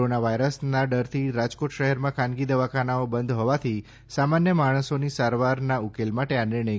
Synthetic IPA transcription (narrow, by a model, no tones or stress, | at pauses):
onaʋajɾəsnaɖəɾt̪ʰiɾad͡ʒkoʈʃəɦɛɾmãkʰãnɡid̪əʋakʰanaobənd̪ʱɦɔʋat̪ʰi | samanjəmaɽ̃əsonisaɾʋaɾnaukelmaʈeanɪɾɳə